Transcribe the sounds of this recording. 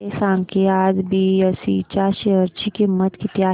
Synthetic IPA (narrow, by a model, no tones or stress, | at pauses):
esãːŋkʰeaːd͡ʒbʱiəsḭt͡ʃaːɾʃeəɾt͡ʃikemət̪kit̪jaː